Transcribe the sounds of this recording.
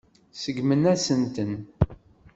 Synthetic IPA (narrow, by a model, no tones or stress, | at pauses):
səɡmənæsənt̪ən